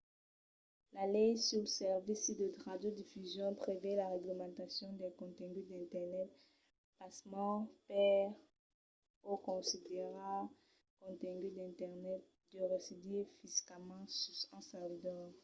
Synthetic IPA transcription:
lalɛjsyʁlsɛʁvisd̪əʁad̪jod̪ifyzjɔ̃pχevɛlaʁɛɡləmɑ̃t̪asjɔ̃d̪ɛkɔ̃t̪ɛ̃ŋɡyd̪ɛ̃t̪ɛʁnɛt̪ | pasmɑ̃pɛʁ | okɔ̃sid̪eʁa | kɔ̃t̪ɛ̃ŋɡyd̪ɛ̃t̪ɛʁnɛt̪̚ | d̪̥əʁesid̪ifiskamɑ̃sɑ̃sald̪ɔ

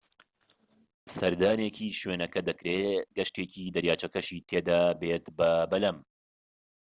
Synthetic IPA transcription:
sɐɾd̪aːneːcʰiːʃweːnɐkɐd̪ɐkɾeːɡɐʃt̪eːciːd̪ɐɾjaːt͡ʃɐkɐʃiːt̪ʰeːd̪aːbeːt̪bɐbɐlɐm

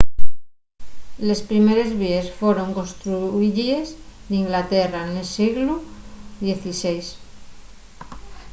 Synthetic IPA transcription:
le̞spɾimeɾe̞zβiesfweɾo̞ŋkõ̞nst̪ɾuiʎiezd̪iŋɡlat̪eranelsiɣluðje̞θisejs

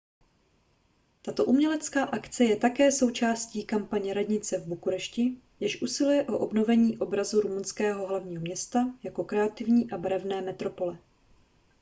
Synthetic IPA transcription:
t̪at̪o̞ʔumɲɛlɛt͡skaːʔakt͡sɛjɛt̪akɛːso̞wt͡ʃaːsciːkampaɲɛɾadɲɪt͡sɛvbukuɾɛʃcɪ | jɛʃʔusɪlujɛʔo̞ʔo̞bno̞vɛɲiːʔo̞bɾazuɾumunskɛːɦo̞ɦlavɲiːɦo̞mɲɛst̪ajako̞kɾɛat̪ɪvɲiːʔabɾɛvnɛːmɛt̪ɾo̞po̞lɛ

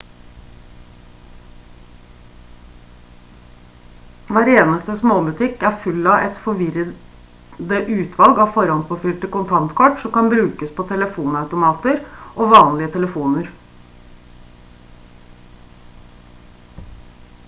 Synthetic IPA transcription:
ʋæːɾeːnəst̪əsmoːbʉt̪ʰɪkːæfʉlɑʔɛ̰t̪fɔʋɪɾə | d̪əʔʉːt̪ʰʋɑlɡɑːfɔɾɑnspɔfʏlt̪əkʊnt̪ʰɑnt̪kʰɔʈsɔmkɑnbɾʉːkəspʰɔːt̪ʰɛləfuːnɑʉt̪ʊmɑːt̪əɾʔoːʋɑːnlɪət̪ʰɛləfuːnəɾ

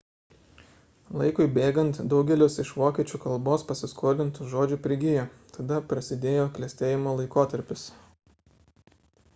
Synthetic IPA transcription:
lˠɐɪkʊɪbʲeːɡɐnt̪d̪ɒʊɡʲɛlʲɪsɪʃʋoːkʲiɛt͡ʃʲuːkɐlˠboːspɐsʲɪskʰoːlʲɪnt̪ʊʒoːd͡ʒʲuːpʲɾʲɪɡʲɪjoː | t̪ɐd̪ɐpɾɐsʲɪd̪ʲeːjoːklʲɛsʲt̪ʲeːjɪmoːlˠɐɪkoːt̪ɐɾʲpʲɪs

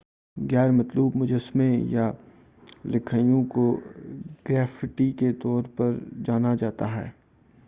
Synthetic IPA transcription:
ɣɛːɾmɐt̪luːbmʊd͡ʒəsmẽja | lɪkʰaːjõko | ɡ̥ɾɛːfɪʈiket̪ɔːɾpɐɾd͡ʒaːnad͡ʒaːt̪aɦɛ̰ː

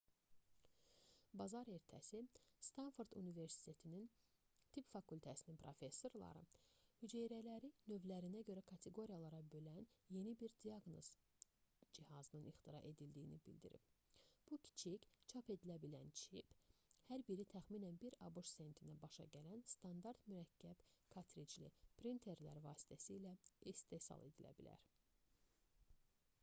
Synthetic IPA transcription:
bɑzɑɾe̞ɾt̪ʰæ̰sist̪ɑnfoɾd̪ṵnive̞ɾsi̥t̪ʰe̞t̪ʰinin | t̪ʰipfɑkʰulʲt̪ʰæsininpʰɾo̞fe̞sːo̞ɾlˠɑ̰ɾɯ̰hyd͡ʒejɾælæɾinøvlæɾinæɟø̞ɾækʰɑt̪ʰe̞ɡo̞ɾijɑlˠɑɾɑbø̞lænje̞nibiɾd̪iɑɡno̞̰z̥ | d͡ʒihɑzɯnɯnixt̪ʰiɾɑʔe̞d̪ild̪iːnḭbḭld̪ḭɾḭpb̥ucʲʰi̥t͡ʃʰict͡ʃʰɑpe̞d̪ilæbilæ̰nt͡ʃʰiphæɾbiɾit̪ʰæxminænbiɾɑbuʃse̞nt̪ʰinæbɑʃɑ̰ɟælænst̪ʰɑnd̪ɑɾd̪myɾæcʰːæb̥kʰɑt̪ʰɾit͡ʃlḭpʰɾint̪ʰe̞ɾlæ̰ɾvɑːsi̥t̪ʰæsiːlæist̪e̞sɑ̰lˠe̞d̪ilæ̰bilæ̰ɾ

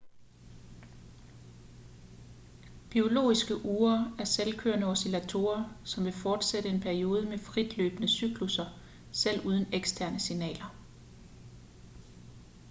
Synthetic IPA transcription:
b̥io̝lo̝̰ːisɡ̥əʔuːɐæɐselkʰø̰ɐnəɒ̽silæt͡sʰo̝̰ːɐsɒ̽mʋe̝fɒːd̥seɾ̥əe̝npʰæɐio̝ːð̞ˠəmefʁid̥lø̰ːb̥ənəsyɡ̥lusɐ | sel̰uːð̞ˠn̩eɡ̥sd̥ʰæɐnəsinɛ̰ːlɐ

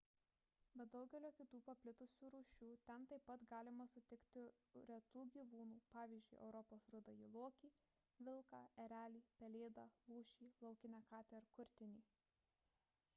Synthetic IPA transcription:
bʲɛt̪̚d̪ɐʊɡʲɛlʲoːkʲɪt̪uːpɐpʲlʲɪt̪ʊsʲuːɾuːʃʲuːt̪ʲɛnt̪ɐɪpːɐt̪ɡɑːlʲɪmɐsʊt̪ʲɪkt̪ʲɪ | ɾʲɛt̪uːɡʲiːʋuːnuːpɑːʋʲiːzʲd͡ʒʲʊɪʔɛ̰ʊɾɔpoːsɾʊd̪ɐiːlˠuɔkʲiː | ʋʲɪlˠkɑːɛɾʲæːlʲiːpʲɛlʲeːd̪ɑːlˠuːʃʲiːlˠɒʊkʲɪnʲɛkɑːt̪ʲɛɪɾkʊɾʲt̪ʲɪnʲiː

